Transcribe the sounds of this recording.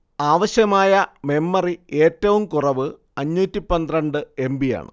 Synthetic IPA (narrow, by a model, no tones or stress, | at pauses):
aːʋɐɕjɐmaːjɐme̞mːɐrie̞ːtːɐʋumkurɐʋɨ | ɐɲːuːtːipɐnd̪rɐɳɖɨe̞mbija̰ːɳɨ̰